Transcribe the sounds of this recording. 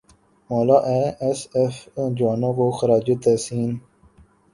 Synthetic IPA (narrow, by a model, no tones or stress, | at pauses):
moːlaːʔeːʔesefd͡ʒaːnõːkoːxəɾaːd͡ʒeːt̪ɛsiːn